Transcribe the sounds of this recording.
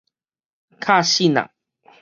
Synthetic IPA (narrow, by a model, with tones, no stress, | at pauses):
kʰa˥˧ɕi˥˨na̰˨˩ŋ